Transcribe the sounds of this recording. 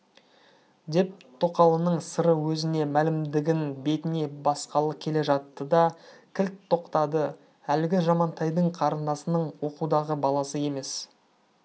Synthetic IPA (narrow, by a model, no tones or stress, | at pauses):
d̪e̞p̚t̪ʰo̞qɑlˠənəɴsəɾəwɵzɪne̞mælɪmd̪ɪɡʲɪnbe̞t̪ɪne̞bɑsqɑlˠəkʲʰe̞le̞ʒɑt̪ːəd̪ɑkʲʰɪlt̪ʰːo̞qt̪ɑd̪ə | ælɪɡʲɪʒɑmɑnt̪ʰɑjd̪əɴqʰɑɾənd̪ɑsənəɴwo̞qud̪ɑʁəbɑlˠɑsəje̞me̞s